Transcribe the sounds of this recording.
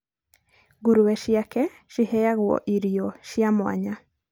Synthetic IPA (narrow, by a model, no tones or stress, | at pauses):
ɡuɾuwɛʃjakɛ | ʃihɛjaɣwɔ̰ʔiɾijɔʃjamwa̰ɲa